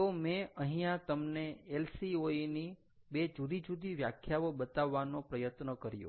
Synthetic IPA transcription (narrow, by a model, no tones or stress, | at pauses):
omeə̃ɦĩjãt̪əmneelsioini | bed͡ʒud̪id͡ʒud̪iʋja̰kʰjaʋobət̪aʋːanopɾəjət̪nəkəɾjo̰